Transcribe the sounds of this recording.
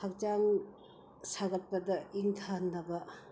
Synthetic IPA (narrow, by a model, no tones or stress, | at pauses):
hak̚d͡ʒaŋ | saɡɐt̚pɐdɐiŋtʰanːɐbɐ